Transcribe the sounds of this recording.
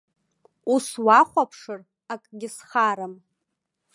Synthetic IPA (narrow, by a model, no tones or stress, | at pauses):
uswaχʷapʰʂɨr | akʼɡʲɪsχaɾam